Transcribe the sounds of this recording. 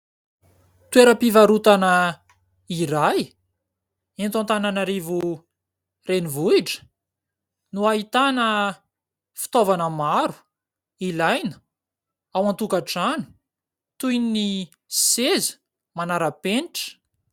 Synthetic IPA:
t̪ueɾəpivaɾut̪anə | iɾaj | ent̪ant̪ananaɾivu | renivuiʈ͡ʂə̥ | nuaɦit̪anə | fi̥t̪ovanəmaɾu̥ | ilajnə̥ | awant̪ukaʈ͡ʂanu̥ | t̪ujnni | sez̥ | manaɾəpenʈ͡ʂə̥

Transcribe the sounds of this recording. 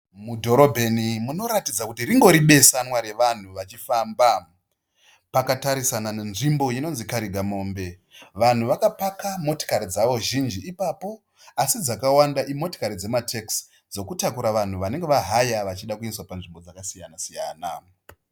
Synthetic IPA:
mudʱo̞ɾo̞bʱe̞nimuno̞ɾatid͡zakutiɾiŋɡo̞ɾiɓe̞sanwaɾe̞ʋan̤uʋat͡ʃifaːmba | pakataɾisananenʐimbo̞jino̞nzikaɾiɡʱamo̞ːmbe̞ | ʋan̤uʋakapakamo̞to̥kaɾid͡zaʋo̞ʒind͡ʒiːpapo̞ | asid͡zakawandaʔimo̞to̥kaɾid͡ze̞matʰeks | d͡zo̞kutakuɾaʋan̤uʋane̞ŋɡe̞ʋaɦajaʋat͡ʃiɗakuinswapanʐimbo̞d͡zakasijanasijaːna

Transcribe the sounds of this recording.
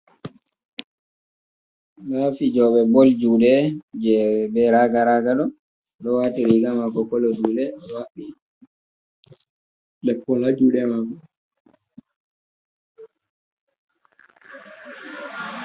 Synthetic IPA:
lafid͡ʒɔɓɛbɔld͡ʒuɗɛd͡ʒɛbɛɾaɡaɾaɡaɗɔ | ɗɔwatiɾiɡamakɔkɔlodulɛwaɓi | lɛpːɔlad͡ʒuɗɛmakɔ

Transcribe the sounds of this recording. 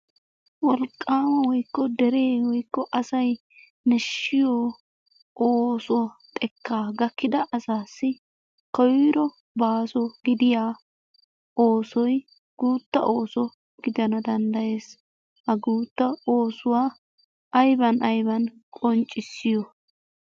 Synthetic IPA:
wɔlkʼːaːmɐwɔjkːɔd̪ɛɾe̞ːwɔjkːɔʔɐsɐj | nɛʃːɪjoː | ʔoːsɔt̪ʼɛkːaːɡɐkːɪd̪ɐʔɐsaːsːɪ | kɔwɾɔ | baːsɔɡ̥ɪd̪ɪjaː | oːsɔj | ɡ̥uːt̪ːɐ̰ʔoːsɔ | ɡ̥ɪd̪ɐnɐd̪ɐnd̪ɐje̞ːs | hɐɡuːt̪ːɐoːsʊwaː | ɐjbɐnɐjbɐnkʼɔnt͡ʃʼːɪsːɪjɔ

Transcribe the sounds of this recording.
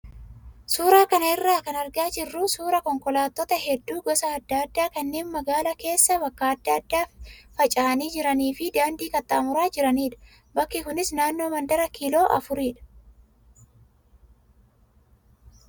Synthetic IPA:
suːɾaːkɐnɐɪrːaːkɐnɐɾɡaːd͡ʒɪrːuːsuːɾɐkɔŋkɔlaːt̪ːɔt̪ɐɦɛd̪ːuːɡɔsɐːd̪ːad̪ːaːkɐnːe̞ːnmɐɡaːlɐke̞ːsːɐbɐkːaɐd̪ːaɐd̪ːaːffɐt͡ʃʼaːniːd͡ʒɪɾɐniːfɪd̪aːnd̪iːkɐt̪ːaːmʊɾaːd͡ʒɪɾɐniːᶑ̪ɐ̥ | bɐkːɪkʊnɪsnaːnːo̞ːmɐnd̪ɐɾɐkiːlo̞ːʔɐ̰fʊɾiːᶑ̪ɐ̥

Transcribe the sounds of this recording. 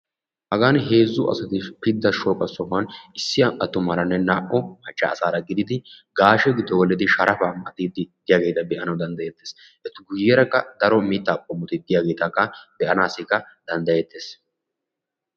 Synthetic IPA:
hɐɡaːnɦe̞ːzːʊʔɐ̰sɐt̪ɪpɪd̪ːɐʃoːkʼɐsɔfɐnɪsːɪɐʔɐt̪ːʊmɐɾɐnːɛnaːʔɔmɐt͡ʃʼːɐ̰ːsaːɾɐɡɪd̪ɪd̪ɪɡaːʃɛɡɪd̪ːɔwɔlːɪd̪ɪʃɐɾɐfɐmʔɐt̪id̪ɪd̪̥ɪjaːɡe̞ːt̪ɐbɛʔɐnɐwd̪ɐnd̪ɐjɛt̪ːeːs | ʔɛt̪ːʊɡʊjːɛɾɐkːɐd̪̥ɐɾɔmiːt̪ːɐːpʼːɔmːʊt̪ɪd̪ɪjaːɡe̞ːt̪ɐkːɐbɛʔɐnaːsɪkːɐ | d̪̥ɐnd̪ɐjɛt̪ːeːs

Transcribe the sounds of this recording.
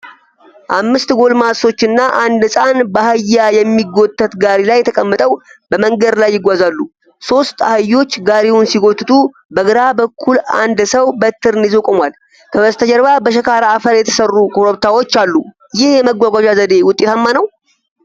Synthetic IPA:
ʔamːɨst̪ɡo̞lmaso̞t͡ʃːɨnːaʔand̪ɨsʼanbəhajːajɛmːiɡːo̞t̪ʼːət̪ɡaɾilajːɛt̪ʰəkʼəmːət̪ʼəwbəməŋɡəd̪lajːɪɡʷazalːu | so̞st̪ʼahajo̞t͡ʃːɡaɾewʊnsiɡo̞t̪ːɨt̪ʼu | bəɡɨɾabəkʰːula̰nd̪səwbət̪ʰːɨɾɨnizokʼomwal | kʰəβəst̪ʰəd͡ʒɛɾbabəʃ̬əkʰaɾaːfəɾjɛt̪ʰə̥sərːukʰʼoɾoβt̪ʰawo̞t͡ʃːalːu | jɪhjɛməɡʷaɡʷaʒazəd̪e̞wʊt̪ʼet̪ʰamːanəw

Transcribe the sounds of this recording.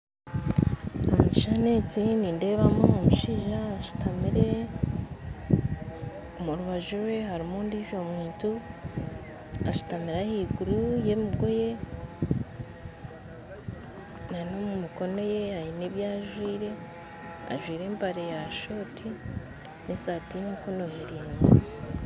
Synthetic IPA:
omuci̥ʃane̞t͡siniːnde̞ːβamoomuʃiʒaːʃu̥tamiɾe̞ | omuɾuβaʒuɾwe̞ɦaɾimondiʒomuːntu | aʃu̥tamiɾahiɡuɾuje̞miɡo̞je̞ | nanomumiko̞no̞je̞hajiniβjaːʒwiːɾe̞ | a̰ʒwiːɾe̞ːmbaɾejaʃo̞tʰi | nesaːtinukonomiɾiːnzi

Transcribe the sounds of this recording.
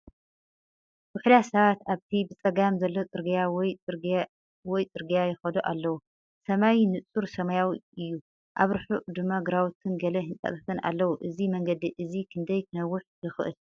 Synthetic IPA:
bʊħlasɐβat̪aβt̪ʰibɨt͡sʼɐɡamzɐlːo̞t͡sʼɨɾɡijawɔjʼ | wɔjt͡sʼɨɾɡijajɪxɐd̪oʔalːɐwu | sɐmajnɨt͡sʼuɾsɐmajawiɨjːu | ʔaβɾɨħuʔd̪ɨmːaɡɨɾawt̪ʰɨnɡɐlɐhɨnt̪ʼɐ̰t̪ʼɐt̪ʰɐna̰lːɐwuʔɨzimɐŋɡɐd̪iʔɨzikʰɨnd̪ɐjk̪ʰɨnɐwːʊħjɨxɨʔɨ̰l

